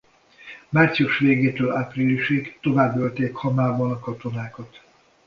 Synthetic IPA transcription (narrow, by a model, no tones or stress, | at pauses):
maːrt̪sijuʃʋeːɡeːt̪øːlaːprilːiʃikt̪o̞vaːbːølt̪eːkhɒmaːbɒnɒkɒt̪o̞naːkɒt̪